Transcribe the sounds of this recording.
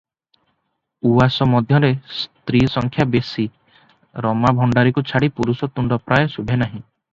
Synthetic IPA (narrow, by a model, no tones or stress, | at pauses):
uasɔmɔd̪ʱjɔɾest̪ɾisɔŋkʰjabesi | ɾɔmabʱɔɳɖaɾikut͡ʃʰaɽipuɾusɔt̪uɳɖɔpɾajɔsubʱenaɦĩ